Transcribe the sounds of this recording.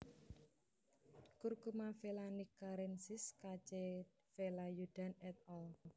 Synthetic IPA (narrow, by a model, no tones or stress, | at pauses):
kurkumafelanikaɾɛnsɪskat͡ʃe | felajud̪̥a̤nɛt̪̚ɔl